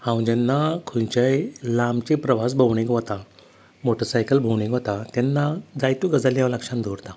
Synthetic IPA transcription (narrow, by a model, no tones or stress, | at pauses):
hãw̃d͡ʑɛnːakʰuɲt͡ɕajlamt͡ɕepɾəʋas̬bʱəʋɳĩɡʋət̪a | moʈəɾsajkəlbʱəwɳĩɡʋət̪at̪ɛnːad͡zajt̪uɡəd͡zaljãʋləkʂãnd̪ʱoɾt̪a